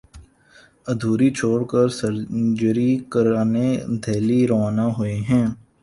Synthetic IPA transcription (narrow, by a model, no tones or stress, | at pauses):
ɐd̪ʱuːɾit͡ʃʰoːɽkəɾsəɾd͡ʒəɾikəɾaːned̪ʱeːliɾɐʋaːnaɦoeɦɛ̃ː